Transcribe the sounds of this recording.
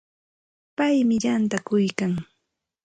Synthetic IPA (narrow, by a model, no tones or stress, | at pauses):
pajmɪʎant̪akʊjkaŋ